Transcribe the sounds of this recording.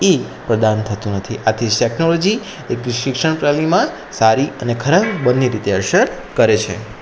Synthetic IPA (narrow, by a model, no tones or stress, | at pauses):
e | pɾəd̪ant̪ʰət̪ũnət̪ʰiʔat̪ʰid͡ʒʈɛknolod͡ʒi | ekʃɪkʂəɳ̃pɾalimã | saɾiənekʰəɾakbənːeɾit̪eəɾʃəɾ | kəɾet͡ʃʰḛ